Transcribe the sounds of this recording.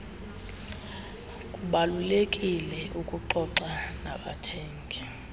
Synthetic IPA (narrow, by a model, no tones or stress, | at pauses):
kʼuɓalulekʼilɛʔukʼuǃɔǀana̰ɓatʰɛːŋki